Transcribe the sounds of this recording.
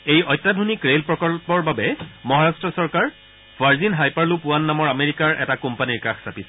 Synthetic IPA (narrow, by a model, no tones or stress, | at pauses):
ejɔjtːadʱunikɹelpɹɔkɔlpɔɹbabɛmɔɦaɹastɹɔsɔɹkaɹ | v̥ʱaɹzinɦajpaɹlupʊanːamɔɹameɹikaɹɛ̰takumpaniɹkaxsapisɛ